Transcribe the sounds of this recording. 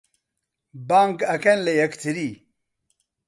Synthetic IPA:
baːŋkɐkenlejɐkt̪ʰiɾi

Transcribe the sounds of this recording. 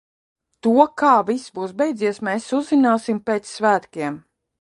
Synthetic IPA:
t̪uɔkaːvisbuːsbejd̪ziɛsmɛːsuzinaːsimpeːt̪sːvæːt̪kʲiɛm

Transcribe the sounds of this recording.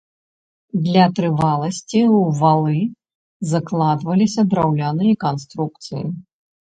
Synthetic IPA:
d̪lʲɐt̪ɾɨvalˠɐsʲt͡sʲiwvalˠɨ | zaklˠad̪vɐlʲisʲɐd̪ɾawlʲanɨjɐkanst̪ɾuk̚t̪sɨ̰ji

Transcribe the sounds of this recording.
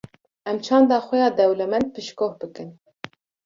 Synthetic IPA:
ɛmt͡ʃʰɑːnd̪ɑːxʷɛjɑːd̪ɛwlɛmɛnd̪̚pɨʃkoːhbɨkɨn

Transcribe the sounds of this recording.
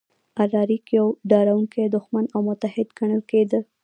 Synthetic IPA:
aɾɑɾikjawɖɑɾawuŋked̪ʊxmanawmʊt̪ahɪd̪ɡaɳəlked̪əl

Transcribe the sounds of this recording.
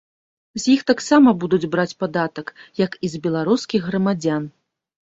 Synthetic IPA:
zʲjixt̪aksamɐbud̪ud͡zʲbɾat͡sʲpad̪at̪ɐkjɐkizbʲɛlˠaɾuskʲiɣɣrɐmad͡zʲan

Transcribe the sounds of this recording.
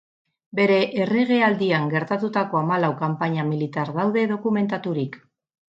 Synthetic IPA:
be̞ɾe̞ʔːreɣeald̪iaŋɡe̞ɾt̪at̪ut̪ako̞amalawkampaɲamilit̪aɾðawðe̞ð̞o̞kume̞nt̪at̪uɾik

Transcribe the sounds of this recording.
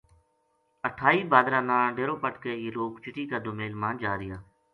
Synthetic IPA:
əʈʰaːiːbaːd̪ɾãːnãːɖeːɾoːpəʈkeːeːloːkt͡ʃʊʈiːkaːd̪oːmeːlmãːnd͡ʒaːɾɪjaː

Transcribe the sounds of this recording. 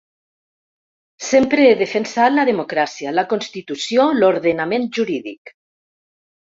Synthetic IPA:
sempɾeeðefensalaðemokɾasialakonst̪it̪usjoloɾðenamenʒuɾiðḭk

